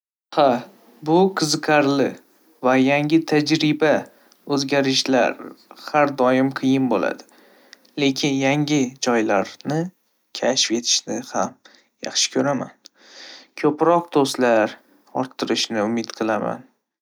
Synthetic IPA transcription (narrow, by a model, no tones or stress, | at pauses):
ha | bʊqʰɨzɨqʲʰaɾlɪ | vajaŋʲɪt̪ʰad͡ʒɾɪba | ɵzɡʲaɾɪʃla̰ɾhaɾd̪ɒjɪmqʰɨjɪnbola̰d̪ɪ̥ | le̞kʲʰɪnjaŋʲɪd͡ʒɒjlaɾnɪ | kʲʰaʃfe̞t̪ʰɪ̥ʃnɪham | jɑ̰χʃɪ̥kʲʰɵɾama̰n | kʲʰɵpɾɒq̚d̪ost̪laɾ | ɒ̰ɾt̪ʰːɪɾɪʃnɪʊmɪt̪qʰɨlˠama̰n